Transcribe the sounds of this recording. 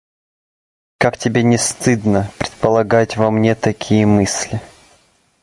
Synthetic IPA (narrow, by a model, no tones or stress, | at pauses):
kaktʲɪbʲenʲɪst̪ɨd̪nəpɾʲɪt̪̚pəlˠɐɡatʲvɐmnʲe̞t̪ɐkʲʰijəmɨsʲlʲɪ